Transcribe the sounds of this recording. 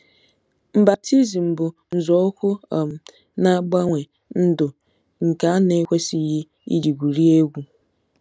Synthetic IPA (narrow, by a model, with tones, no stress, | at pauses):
m̩˨ba˨ti˦zi˨m̩˨bʊ˨n̩˨zɔ˨˦ʊ˦kʷʊ˦˨m̩˨ | na˦ɡ͡ba˦ŋʷe˨ | n̩˦dʊ˨ | ŋ̩˨ka˨a˦ne˦kʷe˦si˦ji˦ | ḭ˦d͡ʒi˨ɡʷu˨ɾi˦e˦ɡʷu˨